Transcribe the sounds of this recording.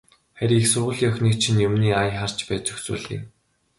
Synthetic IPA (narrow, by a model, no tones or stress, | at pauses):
χæɾʲiːexsʊrʁʊːɮiːŋœxʲniːk̚t͡ɕʰinjʊmniːajχar̥t͡ɕpæːt͡ɕɵxsṵːɮḭːn